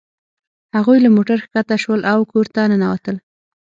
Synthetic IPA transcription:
haɣujlamoʈaɾxkat̪aʃwəlʔawkoɾt̪anənawat̪əl

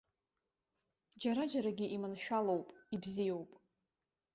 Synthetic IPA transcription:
d͡ʒaɾad͡ʒaɾaɡʲiʔimɨnʃᶣalowpʼibzijo̞wpʼ

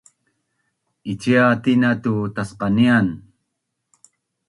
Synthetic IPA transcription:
it͡ɕiat̪inat̪ut̪asqɑnian

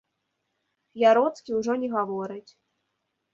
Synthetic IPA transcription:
jaɾɔt̪skʲiwʐɔnʲɛɣavɔɾɨt͡sʲ

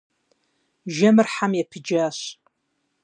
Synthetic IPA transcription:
ʒamɨrħamjapʰid͡ʒaʃ

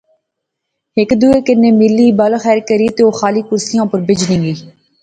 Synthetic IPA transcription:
ɦɪkd̪uːeːkɪneːmɪlːiːbəlxɛːɾkəɾiːt̪eːoːxaːliːkʊɾsɪjãːpəɾbɪd͡ʒnɪ̃ːɡiː

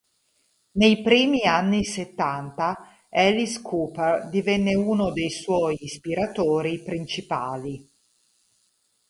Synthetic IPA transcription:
nejpɾiːmianːiset̪ːant̪a | ɛliskʰuːperd̪ivɛnːeuːnod̪ejswɔjːspiɾat̪oːɾipɾint͡ʃipa̰ːli

